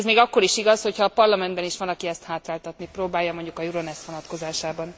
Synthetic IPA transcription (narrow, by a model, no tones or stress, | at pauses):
zmeːɡɒkːo̞ɾiʃiɡɒsho̞chɒːpɒrlɒmɛnd̪bɛniʃʋɒnɒkiɛst̪haːt̪raːlt̪ɒt̪nipɾoːbaːjɒmo̞ɲɟukɒjuɾo̞nɛsʋo̞nɒt̪ko̞zaːʃaːbɒn